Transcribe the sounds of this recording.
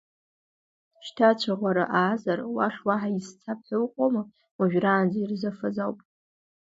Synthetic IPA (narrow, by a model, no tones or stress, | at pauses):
ʃtʰat͡ʃʷʰaʁʷaɾa̰ʔaːzarwaʂwaħaist͡sʰap̚ʰɨwqʷʼoma | waʒᶣraːnd͡zairzɨfazawpʼ